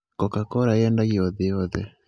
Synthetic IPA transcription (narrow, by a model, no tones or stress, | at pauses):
kokakoɾajɛːndaɣioðijoðɛ